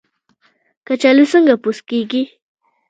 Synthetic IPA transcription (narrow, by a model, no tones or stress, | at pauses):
kat͡ʃalʊsəŋɡapʊskik̬i